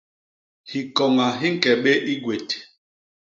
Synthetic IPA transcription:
hi˨kɔ˨ŋa˨ɦi˦ŋ̩˦kɛ˨ɓe˦ʔi˦ɡwe˨te̥˨

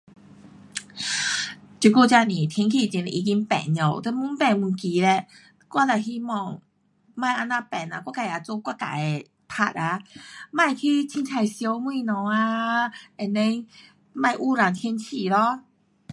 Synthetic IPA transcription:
t͡ɕu˨˧˩ku˧˩t͡ɕa˧nĩ˨˩t̪ʰi˧˦ŋkʰi˧˩t͡ɕi˧˩nɛ˧ʔi˧ki˧˦npɛ̰˨˩˨nɲɔ˨˩wt̪ɛ˧˦mu˧˦npɛ˧nmu˨˧˩nki˨lɛ˧˩ | kwa˦˥˨la˨˩ɦi˧˦mɔ˧˩ŋ | mã˧˨jʔa˧nã˧pɛ˨˩na˧kwa˥ka˧˩ja˨˧t͡so˧˦kwa˥˧ka̰˨ɛ˨ | pʰa̰˧t̚a˧mã˧˨jkʰi˧˦t͡ɕʰi˧˦nt̪ʰa˧˩jsjo˧˦wmwĩ˧nɔ̃˨˦a˧ɛ˨nːɛ˧˦ | mã˧˩jʔu˧˦ɾa˨˩ŋt̪ʰji˧˦nt͡ɕʰi˧˨lɔ˧

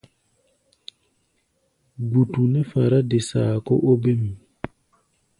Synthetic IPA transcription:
ɡu˨tu˨nɛ˦fa˨ɾa˦de˨saː˨kɔ̰˦ʔo˦be˦m˨

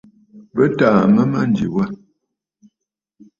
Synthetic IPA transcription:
bə˦taː˨mə˦ma˦n˨dḭ˨wa˦

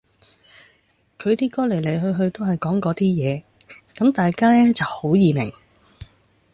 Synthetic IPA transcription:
kʰɵ˨˧ɥt̪iː˥kɔː˥le˨˩jle˨˩jɦɵ˧ɥɦɵ˧ɥt̪o˥wɦɐ˨jkɔː˨˥ŋkɔː˨˥t̪iː˥jɛː˨˧ | kɐ˨˥mt̪aː˨jkaː˥lɛː˥t͡sɐ˨who˨˥wjiː˨mɪ̰˨˩ŋ

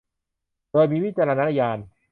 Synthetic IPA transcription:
doː˧jmiː˧wi˦˥t̚t͡ɕaː˧ɾa˧na˧˥na˧jaː˧n

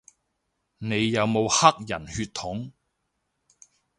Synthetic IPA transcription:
ne˨˧jːɐ˨˧wmo˨˧whɐ˥k̚jɐ˨˩nhyː˧t̪ʰʊ˨˥ŋ

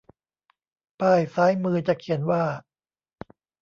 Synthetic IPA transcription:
paː˥˩jsaː˦˥jmɯː˧t͡ɕa˨˩kʰi˨˩˦ənwaː˥˩

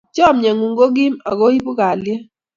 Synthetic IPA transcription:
t͡ʃɔ˦˨mɲɛ˨ŋu˨ŋɡo˦ɡi˦mɔ˨ɡo˦i˦pu˦ka˨ljɛ˦

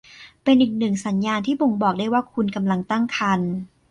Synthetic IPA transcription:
pe˧nʔiː˨˩k̚nɯ˨˩ŋsa˩˦njaː˧nt̪ʰiː˥˩bo˧ŋbɔː˨˩k̚daː˥˩jwaː˥˩kʰu˧nka˧mla˧ŋt̪a˥˩ŋkʰa˧n

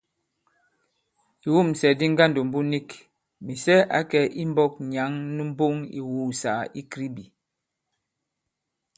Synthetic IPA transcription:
i˨wu˦˨m˨sɛ˨di˦ŋ̩˦ɡa˦ndo˨m̩˨bu˦ni˦k | mi˨sɛ˦ʔa̰˨˦kɛ˨˦ʔi˦m˦bɔ˦k̚ɲa˨˦ŋnɨ˦m̩˦bo˦ŋḭ˨wu˦˨sa˨i˦kɾi˦bi˨

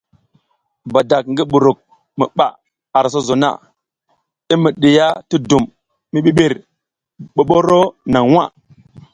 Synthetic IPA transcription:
ba˨da˨k̚ŋɡi˦ɓu˨ɾu˨k̚ | mḭ˨ɓa̰˨ | a˨ɾs̬o˦zo˨na̰˦ | i˦mi˨ɗi˨ja˦ti˦du˨mː | i˦ɓi˦ɓe˨ɾ | ɓo˨ɓo˦ɾo˦na˨ŋwa̰˦˨

